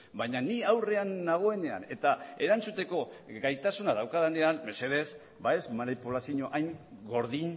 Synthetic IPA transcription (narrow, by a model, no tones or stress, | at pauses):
bajɲaniawre̞anːaɣ̞o̞e̞ne̞a̰ne̞t̪ae̞ɾant͡sut̪e̞ko̞ɡajt̪asunað̞awkaðaneanme̞se̞ðes | bae̞zmanipulasiɲo̞ʔajŋɡo̞ɾðin